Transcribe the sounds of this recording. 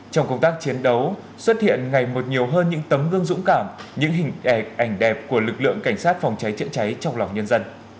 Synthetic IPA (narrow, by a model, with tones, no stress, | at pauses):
t͡ɕɔ˧wŋ͡mkə˧wŋ͡mt̪aː˦˥k̚t͡ɕi˨˦ənɗə˨˦w | swə˦˥t̚hḭ˧˨ənŋa˨˩jmo˨˩t̚ɲi˨˩əwɦəː˧nɲɨ̰˧˥ŋt̪ə˨˦mɣɨ˧əŋzʊ̰˧˥ŋ͡mkaː˧˩mɲɨ̰˧˥ŋɦï˨˩ŋ̟ɗɛ˧˩k̚ʔa˧˩jŋ̟ɗɛ˨˩p̚ku˧˩əlɨ˨˩k̚lɨ̰˧˨əŋka˧˩jŋ̟saː˦˥t̚fɔ˨˩wŋ͡mt͡ɕa˨˦jt͡ɕə̰˧˥nt͡ɕa˨˦jt͡ɕɔ˧wŋ͡mla˨˩wŋ͡mɲə˧nzə˧n